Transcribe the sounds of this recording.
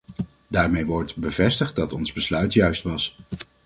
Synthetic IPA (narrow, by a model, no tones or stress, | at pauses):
daːɹmejʋɔɹtbəvɛstəχt̚dɑtɔnzbəslœɥtjœɥstʋɑs